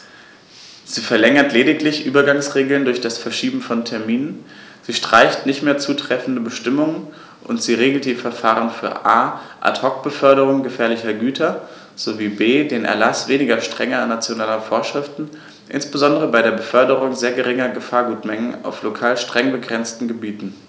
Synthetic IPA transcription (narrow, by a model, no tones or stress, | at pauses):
z̥iːfɛɐlɛŋɐtleːɾɪklɪçʔyːbɐɡaŋsʁeːɡl̩ndʊɐçd̥asfɛɐʃiːbm̩fɔntʰɛɐmiːnən | z̥iːʃtʁ̥aɪçtnɪçtmeːɐt͡suːtʁ̥ɛfn̩dəbəʃtɪmʊŋən | ʔʊntz̥iːʁeːɡl̩td̥iːfɛɐfaːʁənfyːɐʔaːʔa̰thɔk̚b̥əfœɐɾəʁ̞ʊŋɡəfɛːɐlɪçɐɡyːtʰɐ | z̥oviːbeːdeːnʔɛ̰ɐlasv̥eːnɪɡɐʃtʁ̥ɛŋɐanːat͡sjonaːlɐfoːɐʃʁ̥ɪftn̩ | ʔɪ̰nsb̥əzɔndəʁ̞əbaɪɾeːɐbəfœɐdəʁʊŋzeːɐɡəʁɪŋɐɡəfaːɐɡuːtmɛŋəna̰ʊflokʰaːlʃtʁ̥ɛŋbəɡʁɛnt͡stn̩ɡəbiːtn̩